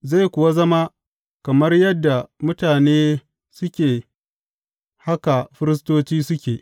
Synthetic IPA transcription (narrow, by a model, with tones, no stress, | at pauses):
za˦˨jkʷʊ˨wa˦zɐ˦ma˦ | kɐ˨mɐ˦rjɐ˦dːa˨mʊ˦taː˨neː˦ | sʊ˦kʲeː˨ | ha˦ka˨ɸɪ˦ɾɪ˦s̬toː˦t͡ʃiː˦sʊ˦kʲeː˨ʔ